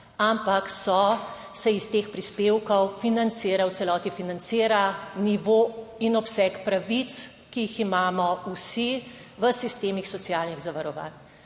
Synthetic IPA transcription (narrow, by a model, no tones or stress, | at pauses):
ampaksɔ | sɛist̪eːxpɾispeːwkɔwfinant̪siːɾawtsɛlɔːt̪ifinant̪siːɾaniʋoinɔpsɛkpɾaʋit̪s | kijiximaːmɔusi | ʋəsist̪eːmixsɔt̪sijaːlniɣzaʋaɾɔʋa̰ːn